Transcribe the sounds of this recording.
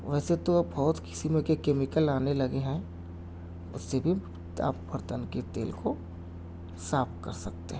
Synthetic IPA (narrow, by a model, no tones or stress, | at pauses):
ʋɛːset̪obɔɦʊt̪kɪ̥simẽkekeːmɪkəlaːnelɐɡeɦɛ̃ | ʊ̰sːebʱi | a̰ːp̚bʱɐɾt̪ənket̪ḛːlko | saːp̪̚kɐ̰ɾsɐk̚t̪eɦɛ̃